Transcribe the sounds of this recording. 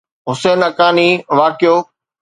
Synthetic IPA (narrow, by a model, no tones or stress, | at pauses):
ɦʊseːnɐkaːniːʋaːkɪjoː